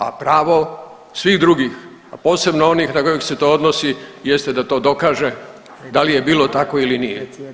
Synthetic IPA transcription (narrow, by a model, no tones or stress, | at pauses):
a̰pɾaːʋo̞ | sʋiːxd̪ɾuɡix | apo̞ːse̞bnoo̞niːxnako̞jexse̞t̪o̞od̪nosijest̪e̞d̪at̪o̞ːd̪o̞kaːʒe̞ | d̪alije̞biːlˠo̞t̪ako̞ilinijḛ